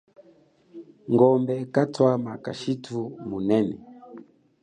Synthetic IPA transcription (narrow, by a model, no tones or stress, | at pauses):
ŋɡɔmbɛkatwamaka̰ʃitʰumunɛnɛ̰